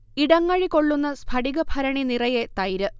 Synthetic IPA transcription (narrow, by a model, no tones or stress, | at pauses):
iɽɐŋːɐɻiko̞ɭːunːɐspʰɐɽiɣɐbʱɐɾɐɳinirɐjet̪ɐjɾɨ